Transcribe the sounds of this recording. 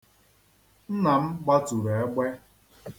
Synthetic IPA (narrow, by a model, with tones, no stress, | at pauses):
n̩˦na˨m̩˦ɡ͡ba˦tu˨ɾe˨e˦ɡ͡be˦